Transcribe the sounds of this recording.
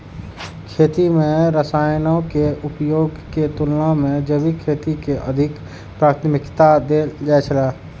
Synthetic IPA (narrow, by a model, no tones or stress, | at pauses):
kʰeːt̪imẽɾəsaːjnõkeʊpjoːɡket̪ʊlnãmẽd͡ʒəbikʰeːt̪ikeʔə̰d̪ʱɪk | pɾaːt̪mɪkt̪ad̪ed͡ʒɛːt͡ʃʰəlaː